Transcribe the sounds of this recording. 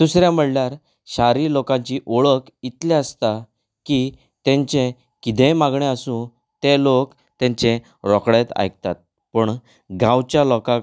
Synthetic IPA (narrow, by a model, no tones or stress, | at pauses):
d̪̥usɾjam̤əɽljaɾ | ɕaɾiːlokãɲt͡ɕiʔoɭək | it̪lɛəst̪a | ki | t̪ẽɲt͡ɕẽ | kid̪ẽmaɡɳeəsũ | t̪elok | t̪ẽɲt͡ɕẽ | ɾɔkɽet̪a̰jk̚t̪at̪̚ | pəɳ | ɡʱãwt͡ɕjalɔka